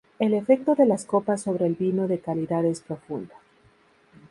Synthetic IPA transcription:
e̞le̞fe̞k̚t̪o̞ðe̞lasko̞pasːo̞βɾeːlβino̞ðe̞kaliðaðe̞spɾo̞fund̪ḁ

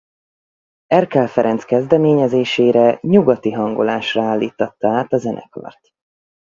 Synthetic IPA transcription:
ɛrkɛlfɛɾɛnt̪skɛzd̪ɛmeːɲɛzeːʃeːɾɛɲuɡɒt̪iɦɒŋɡolaːʃrɒaːlːiːt̪ɒt̪ːɒaːt̪ɒzɛnʔɛ̰kɒ̰rt̪

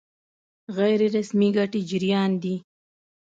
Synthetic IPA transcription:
ɣajɾeɾasmiɡaʈid͡ʒɪɾjɑnd̪i

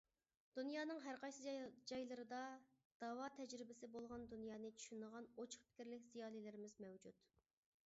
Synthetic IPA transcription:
d̪̥unjɑːnɨŋɦæɾqʰɑjsɨd͡ʒɑjlˠɨɾɨd̪ɑ | d̪̥ɑːwɑt̪ʰɛd͡ʒɾɪbɪsɪbolˠʁɑnd̪unjɑːnɨt͡ʃʰy̥ʃynəʁɑnot͡ʃʰʊ̥χpʰɪ̥kʲiɾlɪkʲzijɑːlˠilɪɾɪmɪzmɛwd͡ʒut̪

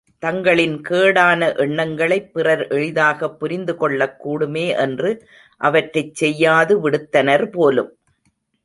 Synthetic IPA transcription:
t̪ɐŋɡɐɭɪnkeːɽaːnɐʔɛɳːɐŋɡɐɭɐɪpːɪrɐɾʔɛɻɪðaːɣɐpːʊɾɪnd̪ɯkɔɭːɐkːuːɽɯmeːʔɛndrɯ | ʔɐʋɐʈrɐɪt͡ʃːsɛjːaːðɯʋɪɽɯt̪ːɐnɐɾpoːlɯ̰m

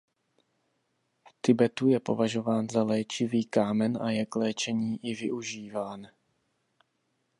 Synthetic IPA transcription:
ft̪ɪbɛt̪ujɛpo̞̰vaʒo̞vaːnzalɛːt͡ʃɪviːkaːmɛnʔa̰jɛklɛːt͡ʃɛɲiːʔɪvɪʔuʒiːvaːn

